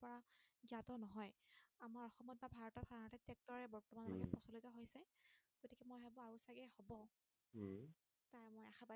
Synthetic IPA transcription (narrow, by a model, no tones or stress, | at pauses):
pɔɹaɡiatɔnɔɦɔjamaɹɔxɔmɔt̚babʱaɹɔtatʰaanatɛtɛk̚tɔɹɛbɔɹtɔmanaɡɛpɔsɔlitɔɦojsɛɡ̥otikɛmojɦɛbɔaɹusaɡɛhobɔ | taɹmojaxʰaba